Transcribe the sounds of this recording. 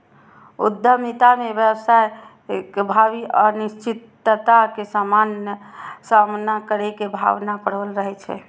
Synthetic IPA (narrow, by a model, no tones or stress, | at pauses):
ud̪ʱːəmit̪amebjəwsaj | kbʱabiʔənist͡ʃit̪ː | ət̪akesamanjəsamnakəɾɛkebʱa̰ʋnapəɽʋəlɾəɦɛt͡ʃʰɛ̰